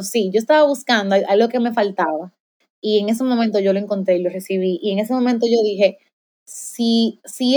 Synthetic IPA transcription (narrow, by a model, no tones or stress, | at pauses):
siʝo̞est̪aβaβuskand̪oaʔallo̞keme̞falt̪aβa | ie̞ŋe̞s̬e̞momẽnt̪o̞ʝo̞loe̞ŋko̞nt̪ɾeilo̞resiβ̞iʔie̞ŋe̞semõmẽnt̪oʝo̞ðixe̞ | sisi